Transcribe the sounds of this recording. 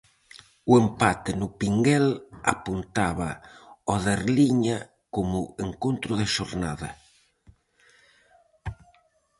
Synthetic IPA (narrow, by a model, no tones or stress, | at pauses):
uempat̪ɪnʊpiŋɡɛla̰punt̪aβaɔðeɾliɲa | komʊeŋkont̪ɾʊðeʃoɾnaðɐ̰